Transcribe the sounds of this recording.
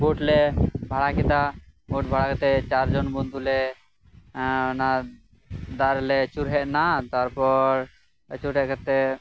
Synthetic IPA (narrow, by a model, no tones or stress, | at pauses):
boʈlɛbʱaɽakɛt̪a | boʈ̚bʱaɽakɛt̪ɛt͡ʃaɾd͡ʒɔnbɔnd̪ulɛ | na | d̪aɾlɛt͡ʃuɾɦɛʔnat̪aɾpɔɾ | t͡ʃuɾɦɛʔkat̪ɛ